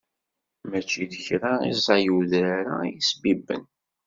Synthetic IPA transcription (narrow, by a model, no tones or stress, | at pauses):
mæt͡ʃːiðəçɾaḭzˤɑjuðɾaɾa̰jisbibːə̰n